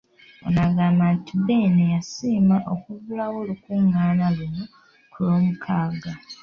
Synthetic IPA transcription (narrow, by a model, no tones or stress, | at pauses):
o̰naɡaːmbantibenejasiːmaʔokuβulawo̞ːlukuːŋɡaːnaluno | kulo̞ːmukʰaːɡa